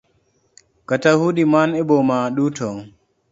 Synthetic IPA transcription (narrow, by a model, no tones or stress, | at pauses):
katahuɗimanɛbɔmaɗuːtʰɔŋ